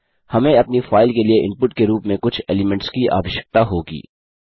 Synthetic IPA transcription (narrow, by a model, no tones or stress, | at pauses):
hɐmẽɐpnifaːɪlkelieʔɪ̃npʊʈkeɾuːpmẽkʊt͡ʃʰɛ̰ːlɪmɛ̃ɳʈskiʔa̰ːʋɪʃə̥k̚t̪aɦoːɡḭː